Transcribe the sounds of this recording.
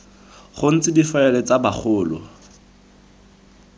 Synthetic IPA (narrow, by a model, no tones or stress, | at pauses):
χʊn̩t͡sɪdifaɛlɛt͡sabaχʊːlɔ